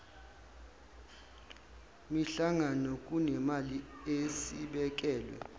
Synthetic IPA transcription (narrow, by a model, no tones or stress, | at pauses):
miɬaŋanɔkʼunɛmaliesiɓɛk̬ʼɛːlwɛ̰